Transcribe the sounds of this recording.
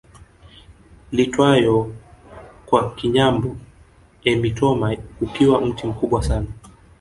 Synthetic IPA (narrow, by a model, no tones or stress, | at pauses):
litwajɔ | kwakiɲambɔ | ɛmitɔmahupiwam̩tim̩kuɓwasana